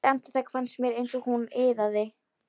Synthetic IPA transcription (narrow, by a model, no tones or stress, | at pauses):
ɛm̥t̪ɪ̥θɛkfansmjɛɾejnsɔɣhunɪðaðɪ